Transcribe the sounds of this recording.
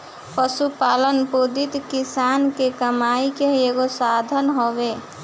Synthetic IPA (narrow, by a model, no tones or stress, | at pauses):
pəsupalənpod̪it̪kisankekəmaikeeɡosad̪ʱənɦobe